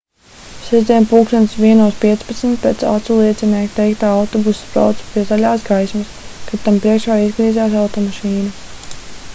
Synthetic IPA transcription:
sɛd̪ɛːmpuːkʃansʋiɛnuɔspiɛt̪spat̪smt̪̚pɛt̪sa̰t̪sulˠiɛt̪sinɛːk̪t̪ːɛjk̚t̪aːawt̪ɔbuspɾa̰wt̪su̥pʲiɛzalʲaːsɡajsmaskat̪ampɾiɛkʃaːizɡɾiːzaːs̬awt̪ɔmaʃiːnu

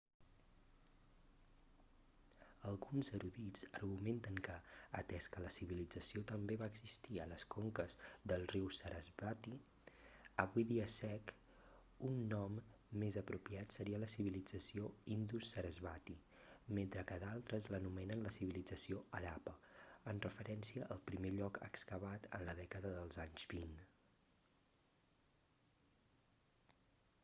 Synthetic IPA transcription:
əlˠɣunzəɾuðizərɣument̪əŋkəːt̪ɛskələsiβilid͡zəsiot̪əmbeβaəɡzist̪iələskoŋkəzðəlˠriwsəɾʔəzβat̪i | əβuiðiəsɛk | unːɔmː | ezəpɾupiat̪səɾiələsiβilid͡zəsioind̪usəɾəzβat̪i | ment̪ɾəkəðalˠt̪ɾəzlənumɛnənləsiβilid͡zəsioəɾapəənrəfəɾɛnsiəʔəlˠpɾimeʎɔkə̰kskəβat̪ə̰nləðɛkəðəðəlˠzaɲzβin

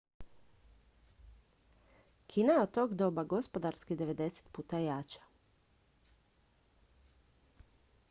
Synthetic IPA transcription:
kʰinajeot̪t̪ːoːɡd̪oːbaɡo̞spod̪aɾskid̪e̞ʋe̞d̪e̞se̥t̪puːt̪ajaːt͡ʃḁ

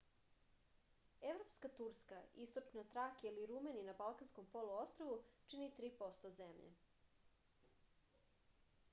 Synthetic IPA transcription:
eʋɾo̞pskat̪uɾskaist̪o̞t͡ʃnat̪ɾakiliɾumeninabalˠkansko̞mpo̞luo̞st̪ɾoʋut͡ʃinit̪ɾiːpo̞st̪ozemʎḛ

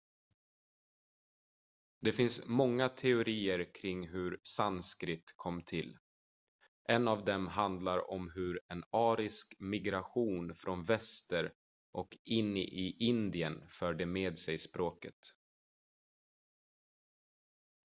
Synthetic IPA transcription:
d̪ɛfɪnsmɔŋːat̪ʰɛʊɾiːəɾkʰɾɪŋːɦɵɾsanskɾɪt̪kʰɔmːt̪ʰɪlː | ʔɛnːavd̪ɛmɦand̪laɾɔ̰mɦɵɾɛnɑːɾɪskmɪɡɾaɧuːnfɾʔɔnvɛst̪əɾ | ʔɔkɪnːʔɪʔɪnd̪ɪənfœːɖɛmeːd̪sɛjspɾoːkət̪

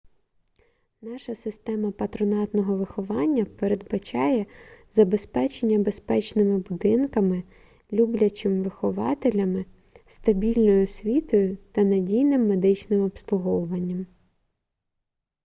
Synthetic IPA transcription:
nɑʃɐsɪst̪ɛmɐpɐt̪ɾɔnɑt̪nɔɦɔʋɪxɔʋɑnʲːɐpeɾed̪̚bɐt͡ʃɑjɛzɐbe̞spɛt͡ʃenʲːɐbe̞spɛt͡ʃnɪmɪbʊd̪ɪnkɐmɪ | lʲublʲɐt͡ʃɪmʋɪxɔʋɑ̰t̪elʲɐmɪ | st̪ɐbʲilʲnɔjʊsʲʋʲit̪ɔjʊt̪ɐnɐdʲijnɪmːe̞d̪ɪt͡ʃnɪmɔpslˠʊɦɔwʊʋɐnʲːɐm

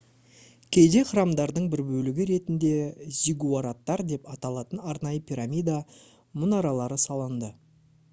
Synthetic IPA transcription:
kʲʰe̞jd̪e̞χəɾɑmd̪ɑɾd̪əɴbɪɾbɵlɪɡʲɪɾe̞t̪ɪnd̪e̞zʲiɡuaɾat̪ːɑɾd̪e̞pɑt̪ɑlˠɑt̪ənɑɾnɑjəpʰʲiɾamʲijd̪a | mʊnɑɾɑlˠɑɾəsɑlˠənd̪ə

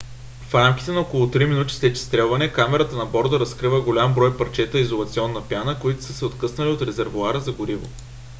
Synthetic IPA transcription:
fɾamkʲi̥t̪ɛnɐokolˠʊt̪ɾiminut̪i̥st̪ɛt͡ʃi̥st̪ɾɛlˠvɐnɛkamɛɾət̪ənɐbɔɾd̪əɾɐskɾivəɡolʲambɾɔjpɐɾt͡ʃɛt̪əizolˠɐt̪siɔnːəpjanəkoit̪ʊ̥səsɛot̪kɤsnəliot̪ɾɛzɛɾvʊaɾəzɐɡʊɾivo̰

